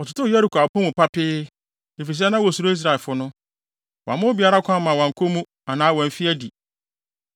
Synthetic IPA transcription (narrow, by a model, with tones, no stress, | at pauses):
ɔ˨tʊ˦tʊ˦jɛ˦ɾi˨kʰo˨a˨pʰɔ̃˦mʊ̃˨pa˦pʰɪ˦ | e˨fi˨s̬ɛ˦nã˦wɔ˨su˨ɾo˦i˦s̬ɾa˨lfʊ˦nʊ̃˦ | wã̰˨mʊ̃˦bi˨a˦ɾa˦kʷʰã˦mã˨wɔ̃˨ŋ̩˨kʰo˦mũ˦ | a˨nãː˦wɔ̃˨m̩˨fi˦æ˦di˨